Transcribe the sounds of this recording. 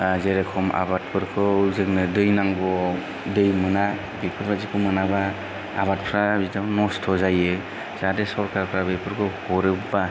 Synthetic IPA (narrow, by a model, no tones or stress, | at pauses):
zeɾekʰɔma̰bat̚pʰɯɾkʰɯuzɯknɯdɯjnaŋɡɔ | dɯjmɯna | bipʰɯɾbazikʰɯmɯnaba | a̰βat̚pʰɾabitanɔstʰɔzajɯ | z̥adesɔɾkaɾpʰɾabepʰɯɾkʰɯhɔɾɯbba